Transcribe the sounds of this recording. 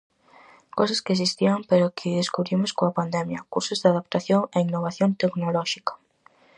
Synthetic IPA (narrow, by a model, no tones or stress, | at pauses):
kows̬askɪes̬ist̪iampeɾʊkʰɪðeskuβɾimoskoapand̪ɛmjɐkuɾsʊzðeaðapt̪aθjoŋeinːoβaθjont̪eknolɔʃikḁ